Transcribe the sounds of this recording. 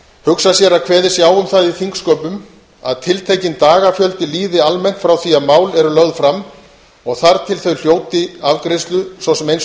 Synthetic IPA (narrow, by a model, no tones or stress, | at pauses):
hʏksasjɛɾakʰvɛːðɪsjaːwʏmθaðiθiŋkskœpʏm | a̰ðt̪ʰɪlt̪ʰejcɪnt̪aːɣafjœlt̪ɪliːðɪalmɛjn̥t̪fɾawθiaðmaːwlɛɾʏlœɣðfɾamː | ɔɣθaɾt̪ʰɪlθœɥl̥joːwt̪ɪavkɾɪst̪lʏsɔwsɛmejns